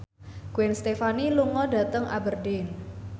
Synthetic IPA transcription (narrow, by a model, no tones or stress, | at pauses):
ɡ̥uwɛnst̪efaniluŋɔdä̤t̪əŋʔa̰bərdɪn